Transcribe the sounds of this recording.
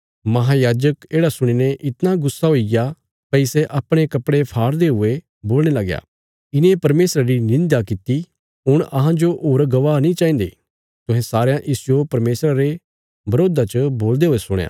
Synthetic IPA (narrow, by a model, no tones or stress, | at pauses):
mɐɦajaːd͡ʒəkeːɽasʊɽ̃ineʔɪt̪naɡʊsːaɦoːɪja | pɐɪsɛʔɐpɽ̃ekɐpɽepʰaːɾd̪eɦʊe | boːlɽ̃elɐɡja̰ː | ɪnẽpɐɾmeːsɾaɾinɪ̃nd̪akɪt̪i | ɦʊɽ̃ɐɦãd͡ʒoʔoːɾɡɐʋaːnĩt͡ʃaːĩːnd̪ḛ | t̪ʊɦɛ̃saːɾejãʔɪsd͡ʒopɐɾmeːsɾaɾe | bɐɾoːd̪at͡ʃəboːld̪eɦoːesʊɽ̰̃jã̰ː